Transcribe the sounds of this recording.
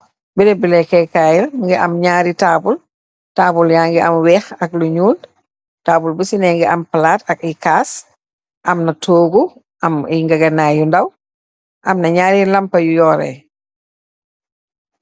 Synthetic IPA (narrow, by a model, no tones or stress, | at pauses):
biɾɛbilɛkɛkaːjilŋɡɛʔɐmɲaːɾitaːbul | taːbuljaːŋɡɛʔɐmwɛːxɐk̚luɲuːl | taːbulbisinɛŋɡɛʔɐmpɐlaːtɐk̚ikaːs | ʔɐmnɐtʰoːɡu | ʔɐmiŋɡɐɡɐnajundɐw | ʔɐmnɐɲaːɾilɐmpɐjujɔːɾɛ̰